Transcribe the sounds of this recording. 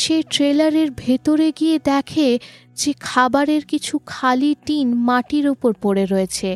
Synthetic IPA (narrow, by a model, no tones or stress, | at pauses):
ʃeʈɾelaɾeɾbʱet̪oɾeɡied̪ɛkʰe | d͡ʑekʰabaɾeɾkit͡ɕʰukʰaliʈinmaʈiɾupoɾpoɾeɾoet͡ɕʰe